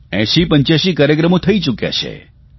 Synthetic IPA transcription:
ɛ̰̃ʃipə̃ɲt͡ʃjaʃikaːɾjəkɾəmõt̪ʰəit͡ʃukja̰t͡ʃʰḛ

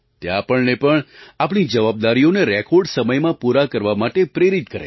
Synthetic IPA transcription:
t̪eapəɳnepəɳapɳ̃id͡ʒəʋab̚d̪aɾijoneɾɛkʰoɾɖsəməjmãpuɾakəɾʋamaʈepɾeɾit̪kəɾḛ

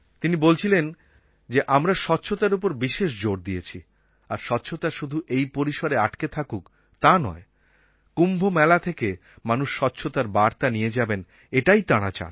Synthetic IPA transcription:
t̪inibolt͡ɕʰilen | d͡ʑeʔamɾaʃɔtːɕʰot̪aɾupoɾbiʃeʃ̬d͡ʑoɾd̪iet͡ɕʰi | aɾʃɔtːɕʰot̪aʃud̪ʱuʔejpoɾiʃoɾeaʈket̪ʰakuk | t̪anɔ̰e | kumbʱomɛlat̪ʰeke | manuʃːɔtːɕʰot̪aɾbaɾt̪anijed͡ʑaben | eʈajt̪aɽ̃at͡ɕa̰n

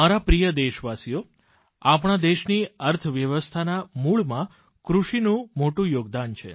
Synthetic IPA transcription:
aɾapɾijəd̪eʃʋasijo | apɳ̃ad̪eʃniəɾt̪ʰəʋjəʋəst̪ʰanamuɭmã | kɾuʃinũmoʈũjoɡd̪ant͡ʃʰḛ

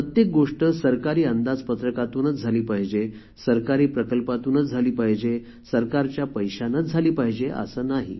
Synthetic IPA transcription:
ət̪jek̚ɡoʂʈəsəɾkaɾiːənd̪ad͡zpət̪ɾəkat̪uːnət͡sd͡zʱaliːpaɦd͡ʑe | səɾkaɾiːpɾəkəlpat̪uːnət͡sd͡zʱaliːpaɦd͡ʑe | səɾkaɾt͡ɕjapəjɕanət͡sd͡zʱaliːpaɦd͡ʑeʔə̰səːnaɦḭ

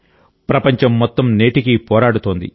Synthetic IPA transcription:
pɾɐpɐɲt͡ʃɐmːɔt̪ːɐmneːʈikipɔːɾaːɽut̪oːnd̪ḭ

